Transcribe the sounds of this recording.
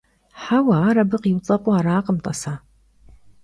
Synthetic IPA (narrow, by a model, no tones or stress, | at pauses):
ħawaːɾɐbɨqiwt͡sʼɐpʼuaːɾaːqəmt̪ʼɐsaː